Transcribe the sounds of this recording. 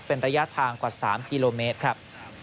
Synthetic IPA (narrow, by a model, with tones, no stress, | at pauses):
pe˧nɾaː˧ja˦˥t̪ʰaː˧ŋkwaː˨˩saː˩˦mki˧loː˧meː˦˥t̪̚kʰɾa˦˥p̚